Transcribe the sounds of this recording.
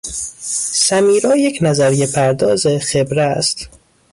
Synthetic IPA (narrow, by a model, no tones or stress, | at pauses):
sæmiːɾɒːjecʰnæzæɾjepʰæɾd̪ɒːzexebɾeæst̪